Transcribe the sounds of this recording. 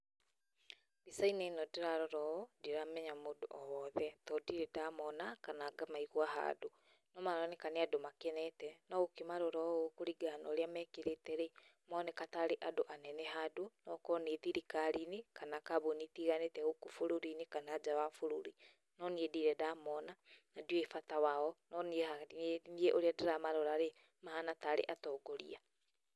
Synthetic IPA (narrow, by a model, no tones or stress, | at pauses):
βisainenɔdiɾaɾɔɾɔɔdiɾamɛɲamodo̰ʔɔwɔðɛtɔdiɾɛdamɔnakanaːɡamaiɣwaɦa̰ːdo | nɔmaɾɔnekaneadomakɛnɛtɛnɔɣokimaɾɔɾɔokuɾiɡanɔɾeamɛkeɾetɛɾemɔːnɛkataɾeʔadoʔanɛnɛɦadunɔkɔneðiɾikaɾinekanakaβonitiɣanetɛɣokufoɾuɾinekanad͡ʑawafoɾuɾi | nɔniediɾɛdamɔnanadioefatawaɔnɔniehanieʔoɾeadeɾamaɾoɾaɾe | mahanataɾḛʔatɔːɡoɾḭa